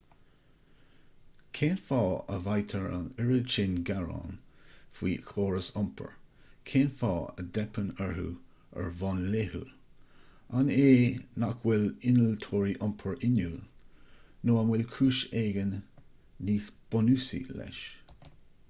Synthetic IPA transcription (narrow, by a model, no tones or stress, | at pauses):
kʰeːnfɑːə̰vajt̪ʰəɹa̰nəɹət͡ʃɪnɡaɹɑ̰nfwiːkʰoːɹəsɔmpʰə̰ɹ | kʰeːnfɑːə̰d̪ɛpʰənɛɹhṵː | ə̰ɹvɑnlehə̰ | aneːnakʰwɪlɪnəlt̪ʰoːɹiʔɔmpʰəɹɪnuːl | noːanwɪlkʰuːʃeːɡənː | iːsb̥ɔnusḭlɛ̰ʃ